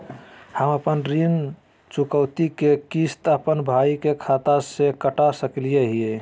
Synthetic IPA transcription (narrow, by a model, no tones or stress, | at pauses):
həməpənɾin | t͡ʃukəwt̪ikekist̪əpənbʱaikekʰat̪asekəʈasəklijeɦie